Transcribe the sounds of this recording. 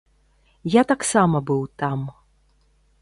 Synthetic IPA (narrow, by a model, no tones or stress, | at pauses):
jat̪aksamɐbɨwt̪am